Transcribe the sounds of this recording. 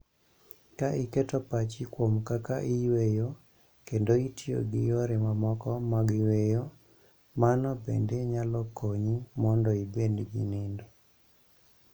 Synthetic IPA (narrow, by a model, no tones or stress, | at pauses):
kaʔiketɔpat͡ʃikwomkakaʔiwejo | kendoitio̰ɡɪjoɾɛmamɔkɔmaɡɪwejo | manɔbḛndeɲalɔkʰoɲimɔndɔibendɡḭnendo